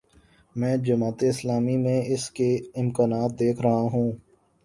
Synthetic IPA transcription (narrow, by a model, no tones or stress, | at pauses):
mɛ̃ːd͡ʒɐmaːt̪eɪslaːmimẽɪskeɪmkaːnaːt̪̚d̪eːkʰɾɐɦaɦũː